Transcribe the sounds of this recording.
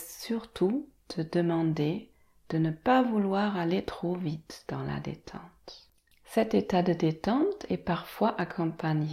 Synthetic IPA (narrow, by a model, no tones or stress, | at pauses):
syʁt̪ʰut̪ʰəd̪əmɑ̃d̪e | d̪̥ənəpavulwaʁalet̪χovit̪d̪̥ɑ̰̃la̰d̪ḛt̪ʰɑ̰̃t̪ | sɛt̪et̪ad̪əd̪et̪ɑ̃t̪ʰɛpaʁfwaʔakʰɔ̃paɲ